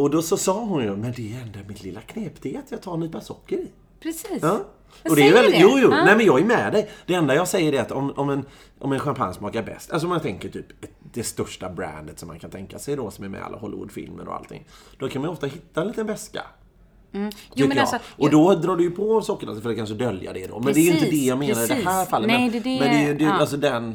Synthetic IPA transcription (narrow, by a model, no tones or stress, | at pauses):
ɔd̪ɔsɔsɑːɦʊnjɔmɛnd̪ɛːɾɛnd̪amɪt̪lɪlːakʰneːpt̪ʰeːt̪ʰjɑːɡ̚t̪ʰɑːɾniːt̪pasɔkːəɾɪ | pɾɛsɑː | ɔd̪ɛːɾvɛljuːjuːnɛɪmɛnjɑːɡɛmɛd̪ɛjd̪̥ɛɛnd̪ajɑːɡsɛjːəɖɛat̪ɔmɔmɛn | ʔɔ̰mɛnɧampʰa̰nsmɑːkaɾbɛ̰st̪a̰ls̬ɔmant̪ʰɛŋkəʈʰyːpd̪̥ɛst̪œʂʈabɾæ̰nd̪ət̪sɔmːankʰant̪ʰɛŋkasɛjd̪ɔsɔmæɾmɛ̰a̰lːaɦɔlːɪ̰vʊ̰d̪fɪ̰lmə̰nɔ̰a̰lt̪ʰɪ̰ŋːd̪̥ɔkʰanmanɔft̪aɦɪt̪ːaɛnliːt̪ənvɛska̰ | t̪ʰʏkːəj̰ːʔɔd̪ɔd̪ɾɑːɖɵjɵpʰɔvsɔkːəna̰sfœɾt̪ːkansɔd̪œlja̰d̪ɛd̪ɔ̰mɛnd̪ɛːjəɪnt̪əd̪ɛjɑːmeːnaɾd̪ɛhæːɾfalːət̪mɛmɛnd̪ɛd̪ɛals̬ɔd̪ɛn